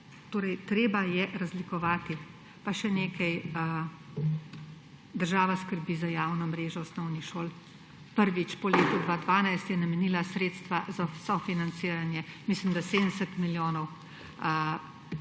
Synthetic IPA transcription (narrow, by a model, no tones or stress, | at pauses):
t̪oːɾɛjt̪ɾeːbajɛɾazlikɔʋaːt̪i | paʃɛneːkʰɐjə | d̪əɾʒaːʋaskəɾbiːzajaːwnɔmɾeːʒɔwsnɔwnixʃoːl | pəɾʋit͡ʃpɔleːt̪ud̪ʋaːd̪ʋaːnajst̪jɛnamɛniːlasɾeːt̪st̪ʋazasɔfinant̪siːɾanjɛmislimd̪aseːd̪nsɛt̪miljoːnɔw | ə